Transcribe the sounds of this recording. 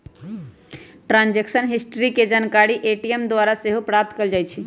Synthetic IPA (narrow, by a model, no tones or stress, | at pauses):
ʈɾãnd͡ʒeksənɦisʈɾiked͡ʒankaɾiʔeʈiemd̪ʋaɾaseɦopɾap̚t̪keld͡ʒajt͡ʃʰi